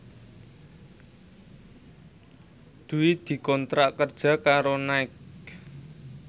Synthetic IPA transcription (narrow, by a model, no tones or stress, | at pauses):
d̪̥uid̪̥i̤kɔnt̪ɾaʔkərd̥ʒ̥ä̤kaɾonaɪk